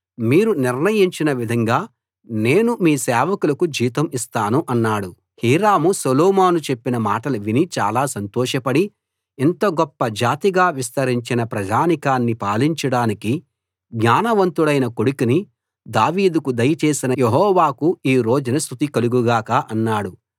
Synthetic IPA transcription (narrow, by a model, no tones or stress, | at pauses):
miːɾuniɾnɐjiɲt͡ʃinɐʋid̪ʱɐŋɡaː | ne̞ːnumiːsɛːʋɐkulɐkud͡ʒiːt̪ɐmist̪aːnuʔɐnːaːɽu | hiːɾaːmusolɔːmaːnut͡ʃe̞pːinɐmaːʈɐlɐʋinit͡ʃa̰ːlaːsɐnt̪ɔːʃɐpɐɽi | ent̪ɐɡɔpːɐd͡ʒaːt̪iɡaːʋist̪ɐɾiɲt͡ʃinɐpɾɐd͡ʒaːnikaːnːipaːliɲt͡ʃɐɽaːniki | ɡɲaːnɐʋɐnt̪uɽɐjnɐkoɽukini | d̪aːʋiːd̪ukud̪ɐjɐt͡ʃeːsinɐjeɦɔːʋaːkuiːɾo̞ːd͡ʒunɐs̬t̪ʰut̪ikɐluɡuɡaːkaʔɐnːaːɽu